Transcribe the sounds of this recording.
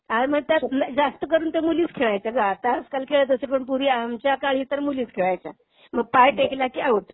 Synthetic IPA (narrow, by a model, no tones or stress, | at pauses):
ɦãməɡ̚t̪jand͡zast̪əkəɾuːnt̪emuliːt͡skʰeɭajt͡saɡaːt̪aəskalkʰeɭət̪əsepəɳpuɾiːamt͡ɕjakaɭiːt̪əɾmuliːt͡skʰeɭajt͡sa | məɡ̚pajʈeklakiːaʋəʈ